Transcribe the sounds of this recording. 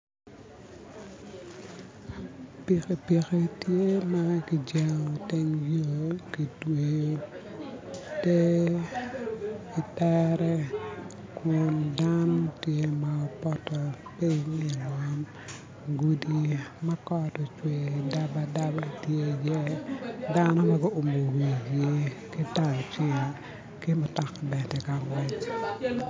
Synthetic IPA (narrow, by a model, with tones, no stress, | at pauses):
pi˨ke˨pi˨ke˦tje˦ma˦ki˨d͡ʒe˨ŋo˨tɛ˦ŋjo˦˨ki˨twe˨jo˦ | te˦ | i˨tɛ˦ɾɛ˦ | kʊ˨nda˦no˦tje˦ma˨ɔ˨pɔ˦tɔ˨pɪ˦ŋɪ˨lɔ˦m | ɡu˨di˦ma˦kɔtɔ˨t͡ʃwe˨da˦bada˦ba˦tje˦ɡe˦da˦nɔ˦ma˦ɡɔ˦o˨mo˨we˨d͡ʒe˦ | kɪ˦ta˨t͡ʃe˦˨ | kɪ˦mɔ˨ta˨kbɛ˨tɛ˨ka˨ŋwɛ˦ɲ